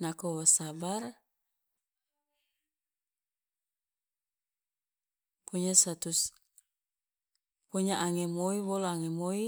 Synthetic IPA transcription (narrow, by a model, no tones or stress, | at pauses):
nakowasabar | poɲasat̪us | poɲaʔaŋemoiboloaŋemoi